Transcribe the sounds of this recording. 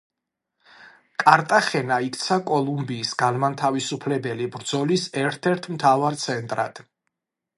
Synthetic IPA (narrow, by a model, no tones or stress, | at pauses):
kʼaɾt̪ʼaχɛnaikt̪sʰakʼɔlˠumbiːsɡ̥anmant̪ʰavisupʰlɛbɛlibɾd̪zɔlisɛɾt̪ʰɛɾt̪ʰmt̪ʰavaɾt̪sʰɛnt̪ʼɾa̰d̪̥